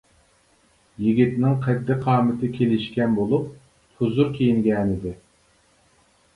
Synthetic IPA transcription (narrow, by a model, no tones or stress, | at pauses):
jiɡʲit̪nɪŋqʰɛd̪ːɪqʰɑːmɨt̪ʰɪkʲʰelɪʃkʲɛnbolˠup̚ | t̪ʰuzuɾkʲʰejiŋɡʲɛːnɪd̪ɪ